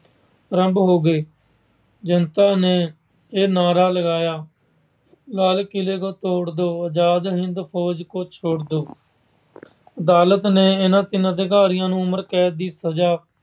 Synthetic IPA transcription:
ɾəmbɦoːɡeː | d͡ʒənt̪aːneː | eːnaːɾaːləɡaːjaː | laːlkɪleːkoːt̪oːɽd̪oːəd͡ʒaːd̪ɦɪnd̪pʰoːd͡ʒkoːt͡ʃʰoːɽd̪oː | əd̪aːlət̪neːɪnãːt̪ɪnãːd̪eːɡaːɾɪjãːnũːʊməɾkɛːt̪̚d̪iːsəd͡ʒaː

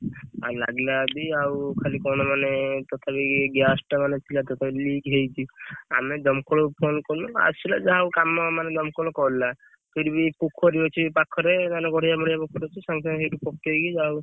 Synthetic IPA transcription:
a̰la̰ɡlabiawkʰalikɔnɔmanet̪ɔt̪ʰabiɡasʈmanet͡ʃʰilat̪ɔt̪ʰabiliɡɦejt͡ʃʰia̰med̪ɔmkɔɽɔpʰonkɔɾnɔa̰t͡ʃʰila̰d͡ʒaɦawkamːamaned̪ɔmkɔɽɔkɔla | pʰiɾbipukʰːɔɾiot͡ʃʰipakʰːɔɾenaneɡɔɽ̤id͡ʒamɔɽijapɔkʰːɔɾot͡ʃʰisãŋsasiɾupɔk̚ʈeɡid͡ʒaɦw

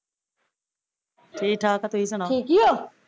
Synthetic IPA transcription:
ʈʰiːk̚ʈʰaːkat̪oiːsəɽ̃aiːkijoː

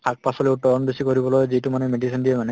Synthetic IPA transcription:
kʰak̚pasɔleuʈɔɾɔnbesikoɾibɔlɔjziʈumanemeɖisɔnd̪iemane

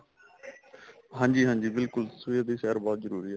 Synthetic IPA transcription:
ɦãːɲd͡ʒiːɦãːɲd͡ʒiːbɪlkʊlsʋiəd̪iːxɛːɾbɔːt̪zəɾuːɾiːɛ

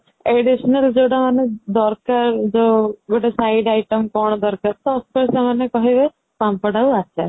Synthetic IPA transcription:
eɖisɔnald͡ʒewʈamaned̪ɔɾkaɾd͡ʒoɡoʈasajɖajʈɔmkɔɽ̃ɔd̪ɔɾkaɾt̪ɔɔspɔɾsemanekɔɦebe | pampɔɽauat͡ʃʰa

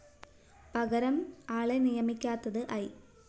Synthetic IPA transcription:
pɐɣɐɾɐmaːɭɐnɪjɐmɪkʲːaːt̪ːɐðɯʔɐj

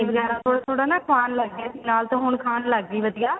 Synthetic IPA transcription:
ibəɡɛːɾãːt̪ʰoːɽaːt̪ʰoːɽaːnaːkʰaːnləɡːaːsiːnaːlt̪õːɦʊɳkʰaːnləɡ̚ɡiːbəd̪ɪjaː

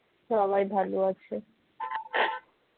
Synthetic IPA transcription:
ʃɔβajbʱaloat͡ɕʰe

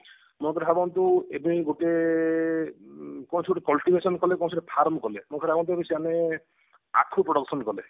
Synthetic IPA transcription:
mokʰɔɾɦabɔnt̪uebiɡoʈe | kɔw̃ñsʰiɡoʈekɔlʈibʱesɔnkɔlekɔñsʰoʈepʰaɾmɔkɔlemokɔɾabɔnt̪uebisiane | a̰kʰupɾɔɽɔksɔnkɔle

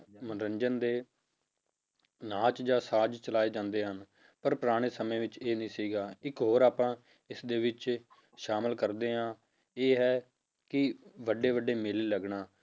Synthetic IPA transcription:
mənɾəɲd͡ʒənd̪eː | naːt͡ʃd͡ʒãːsaːd͡ʒt͡ʃəlaːeːd͡ʒãːnd̪eːɦən | pəɾpɾaːɽ̃eːsəmẽːʋɪt͡ʃeːnĩːsiːɡaːɪkɦoːɾaːpãː | ɪsd̪eːʋɪt͡ʃ | ʃaːməlkəɾd̪eːɦãː | eːɦɛː | kɪʋəɖːeːʋəɖeːmɪliːləɡɳaː

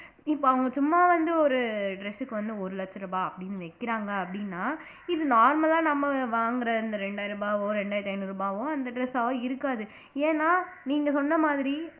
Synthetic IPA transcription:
ɪpːoːɐʋɐŋɡɐsʊmːaːʋɐnd̪ɯɔɾɯɖɾɛsɯkːɯʋɐnd̪ɯɔɾɯlɐt͡ʃːɐɾɐbaːɐpːɐɽɪnːɯʋɛkːɪɾaːŋɡɐɐpːɐɽɪnːaː | ɪðɯnaːɾmɐlaːnɐmːɐʋaːŋɡɪɾɐɪnd̪ɐɾɛɳɖaːjɪɾɯbaːʋõːɾɛɳɖaːjɾt̪ːɐɪnɯɾuːbaːʋõːɐnd̪ɐɖɾɛsaːʋõːɪɾɯkːaːðɯ | eːnːaːniːŋɡɐsɔnːɐmaːðɪɾi

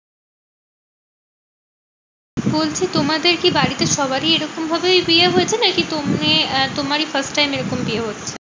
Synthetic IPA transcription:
bolt͡ɕʰit̪omad̪eɾkibaɽit̪eʃɔbaɾieɾɔkombʱabebieɦoet͡ɕʰenaɾkit̪omet̪omaɾifɐɾsʈːajmeɾɔkombieɦotːɕʰe

